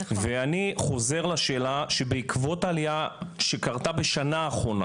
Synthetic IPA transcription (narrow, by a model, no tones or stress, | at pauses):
veaniχo̞ze̞ʁlaʃe̞ːlaʃebeikvo̞taliaʃekaʁt̪abeʃanaːχʁo̞na̰